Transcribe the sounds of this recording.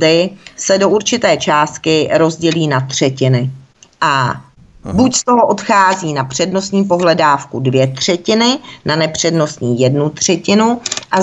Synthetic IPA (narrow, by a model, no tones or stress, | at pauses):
dɪsɛdo̞ʔuɾt͡ʃɪt̪ɛːt͡ʃaːst̪̚kɪɾo̞zɟɛliːnat̪r̝̥ɛcɪnɪ | ʔa | bucst̪o̞ɦo̞ʔo̞t̪xaːziːnapr̥ɛdno̞st̪ɲiːpo̞ɦlɛdaːfkudvjɛt̪r̝̥ɛcɪnɪnanɛpr̝̥ɛdno̞st̪ɲiːjɛdnut̪r̝̥ɛcɪnuʔa